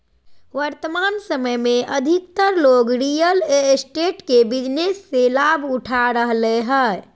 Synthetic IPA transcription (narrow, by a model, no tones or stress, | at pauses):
ʋəɾt̪əmansəməjmeʔəd̪ʱik̚t̪əɾloɡɾijəlesʈeʈkebid͡ʒnesːelabʱuʈʰaɾəɦleɦə